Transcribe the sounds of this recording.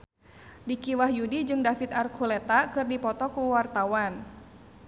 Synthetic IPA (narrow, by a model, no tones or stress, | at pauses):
dikiwahjudid͡ʒɨŋdafit̪arkʰulɛt̪akɨrdipɔt̪ɔkuwart̪awan